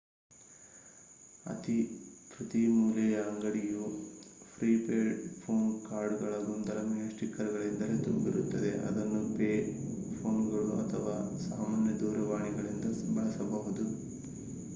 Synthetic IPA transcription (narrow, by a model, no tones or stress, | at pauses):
ɐ̰t̪ipɾɐt̪imuːlɛjɐɐŋɡɐɽijupʰɾiːpeːɖpʰo̞ːnkaːɾɖɡɐɭɐɡond̪ɐlɐmunɐsʈikːɐɾɡɐɭind̪ɐlet̪umbiɾut̪ːɐd̪e̞̰ʔɐ̰d̪ɐnːupeːpʰoːnɡɐɭuɐ̰t̪ʰɐʋaːsaːmaːnjɐd̪uːɾɐʋaːɳiɡɐɭind̪ɐbɐɭɐsɐbɐɦud̪u